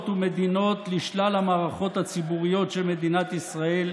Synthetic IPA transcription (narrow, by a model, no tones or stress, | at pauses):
t̪ume̞d̪ino̞t̪liʃlalamaːʁaχo̞t̪hat͡sibuʁijo̞t̪ʃelme̞d̪inat̪isʁael